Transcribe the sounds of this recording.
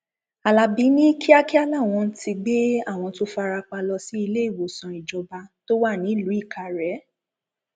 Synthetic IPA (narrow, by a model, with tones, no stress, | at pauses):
a˨la˨bi˨˦nĩ˦kʰi˦a˦ki˦a˦la˦˨w̃ɔ̃˧n̩˦tʰi˧ɡ͡be˦a˦˨w̃ɔ̃˧to˦fa˧ɾa˧k͡pa˧lɔ˧si˨˦i˧le˦i˦˨wo˨sɔ̃˨i˨d͡ʒɔ˨˧ba˧to˦wa˦˨nĩ˨˦˨lu˨˦i˦˨ka˨ɾɛ˨˦